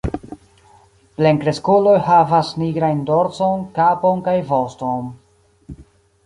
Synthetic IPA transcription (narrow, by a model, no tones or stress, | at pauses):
pleŋkɾeskulo̞jhavasniɡɾajndoɾt͡sonkaponkajvosto̞n